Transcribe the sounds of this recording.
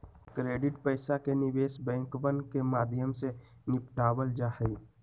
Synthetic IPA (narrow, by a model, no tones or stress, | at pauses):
kɾeːɖɪʈpəɪsakenɪʋeːsbɛ̃ːŋkbənkemaːd̪ʱjəmse | nɪpʈaːwəld͡ʒaːhəi